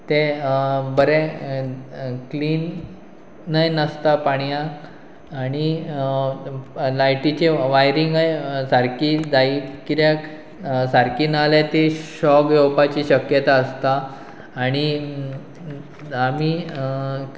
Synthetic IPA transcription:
t̪e | bəɾɛ̃ | kliːnː | əjnəst̪apaɽ̃ijãː | ɽ̃i | lajʈit͡ɕeʋajɾiŋɡəjsaɾkid͡zaikit̪ja | saɾkiːnalat̪eɕɔkjowpat͡ɕiːɕəkjət̪aəst̪aː | ɽ̃i | ami

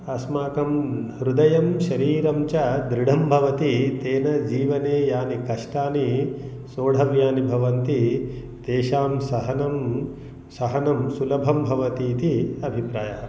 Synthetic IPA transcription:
ɐsmaːkɐmɾud̪ɐjɐmʃɐɾiːɾɐmt͡ʃɐd̪ɾiɽ̤ɐmbʱɐʋɐt̪it̪eːnɐd͡ʒiːʋɐneːjaːnikɐʂʈaːni | soːɽʱɐʋjaːnibʱɐʋɐnt̪i | t̪eːʃaːmsɐɦɐnɐm | sɐɦɐnɐmsulɐbʱɐmbʱɐʋɐt̪iːt̪iɐbʱipɾaːjɐɐ

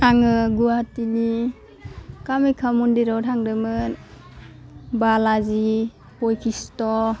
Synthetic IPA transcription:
taŋɯɡuatini | kamikʰamundiɾɔwtʰaŋdɯmɯn | balazi | hojkʰistɔ

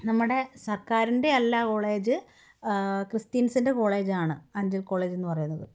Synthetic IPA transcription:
nɐmːuɽe̞sɐrkaːɾinde̞ɐlːako̞ːɭe̞ːd͡ʑɨ | krist̪iːnsinde̞ko̞ːɭe̞ːd͡ʑaːɳɨɐɲd͡ʑilko̞ːɭe̞ːd͡ʑe̞nːɨpɐrɐjunːɐðɨ

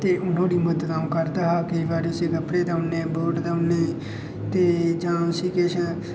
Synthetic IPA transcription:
t̪eːʔʊn̤õːdiːməd̪ət̪aːũːkəɾd̪aːɦaːkəibaːɾeːʊsiːɡəpɽeːd̪aʊnẽːboːɖd̪aʊneː | t̪eːd͡ʒãːsiːkeːʃə

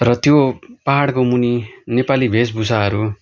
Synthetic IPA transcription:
rʌt̪jopaɦaɽkomuninepalibʱesbʱusaɦʌɾu

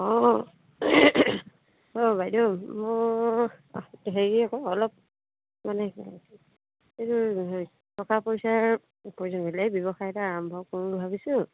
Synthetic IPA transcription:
ɔ̃ | ɔbajdɔmo | teɦeɡiakɔɔlɔp̚ | manɛ | etu | tʰɔkapojsaɹ | poɹizɔnɡɔlajbɔbɔxajɛtaːɹɔmbʱɔkɔnbʱabisʊ̃

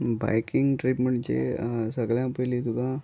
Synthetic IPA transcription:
ba̰jkɪŋɡʈɾipməɳʈt͡ʃḛsəɡljãpəlit̪ukã

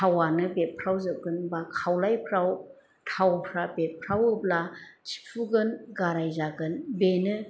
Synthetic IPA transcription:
tʰawanɯbet̚pʰɾawzɯp̚ɡɯnbakʰːawlajpʰɾaw | tʰawpʰɾabet̚pʰɾawɯblat͡ʃi̥pʰuɡɯnɡaɾajzaɡɯnbenɯ

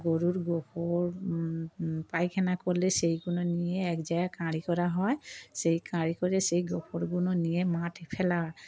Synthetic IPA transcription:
ɡoɹuɹɡɔkʰɔɹ | pajkʰɛnakɔlɛsejkunɔnijɛːkzajakãɹikɔɹaɦɔjsejkãɹikɔɹɛsejɡɔkʰɔɹɡunɔnijɛmatepʰɛlaɹ

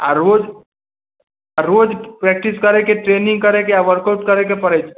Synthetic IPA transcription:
ɐɾoːd͡ʒ | ɐɾoːd͡ʒpɾɛːk̚ʈɪskɐɾekeʈɾeːnɪ̃ŋɡ̚kɐɾekejaʋəɾkaʊʈkɐɾek̬epɐɾed͡ʒ

